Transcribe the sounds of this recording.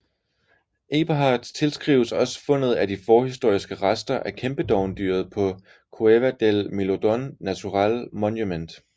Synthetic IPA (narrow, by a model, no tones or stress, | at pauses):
ʔe̝b̥əɦɑ̈d̥t͡sʰe̝lsɡ̥ʁiːʊəsɒ̽sə̥fɔ̽n̰ð̞̩ˠædifɒːhis̬d̥o̝ɐ̰isɡ̥əʁasd̥ɐʔækʰemb̥əd̥ɒʊnd̥y̰ːɐð̩ˠpʰɒ̽ | kʰueʋæd̥elmilod̥ɔnːæt͡sʰuʁɑlmɒnjumend̥